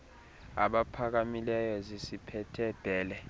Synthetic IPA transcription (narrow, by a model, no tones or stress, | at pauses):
a̰ɓapʰak̬amilɛjɔzisipʰɛtʰɛb̥ʱɛːlɛ